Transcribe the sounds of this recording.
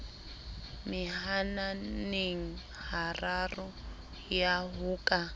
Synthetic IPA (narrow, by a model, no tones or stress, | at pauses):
miɦananiŋ̩ | hararu | jaɦuːkʼa